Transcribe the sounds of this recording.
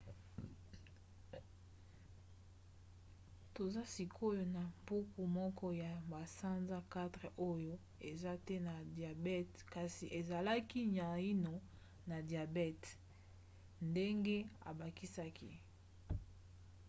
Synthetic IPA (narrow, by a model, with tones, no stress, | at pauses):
to˨za˦si˨kʰo˦jo˦na˨mpu˦ku˨mɔ˦kɔ˦ja˨ba˨sa˦nza˦ka˦tʁɛ˨ʔo˦jo˦ | e˨za˦tɛ˦na˨dja˨bɛ˦t | ka˨si˨ʔe˨za˨la˦ki˦ɲ˨a˨i˦no˨ | na˨dja˨bɛ˦t | nde˦ŋɡe˦a̰˨ba˨ki˦sa˦kʰi˦